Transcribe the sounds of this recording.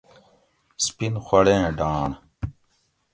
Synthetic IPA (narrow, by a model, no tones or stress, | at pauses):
spinxwɐɽẽːɖaːɳ